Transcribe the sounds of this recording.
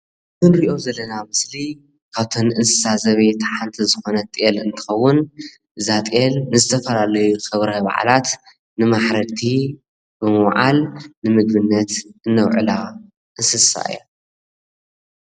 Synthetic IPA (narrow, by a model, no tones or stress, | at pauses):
kɨnɾiʔo̞zɐlːɐnamɨsli | kʰaβt̪ʰonʔɨnsɨ̥sazɐβet̪ʰaħant̪ʰizɨxo̞nɐt̪ʼelɨnt̪ʰɨ̥xɐwːʊn | ʔɨzat̪ʼelnɨzɨt̪ʰɐfɐlalɐjuxɨβɾɐβa̰ʕ̰lat̪ | nɨmaħɾɐt̪ʰi | bɨmɨwʕa̰lnɨmɨɡ̪βɨnːɐt̪ʔɨnːɐwʕɨ̰la | ʔɨnsɨsa̰ʔɨ̰jo